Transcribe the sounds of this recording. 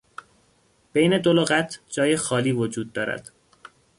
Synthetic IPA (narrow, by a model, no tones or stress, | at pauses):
b̥ejne̞d̪oloɣæt̪ʰd͡ʒɒːjexɒːliːvod͡ʒuːd̪ːɒːɾæ̰d̪̥